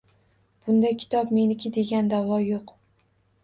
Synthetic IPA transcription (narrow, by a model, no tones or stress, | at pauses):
b̥ʊnd̪ajkʲʰɪ̥t̪ʰɒpme̞nɪkʲʰɪd̪e̞ɡʲand̪avɒjoq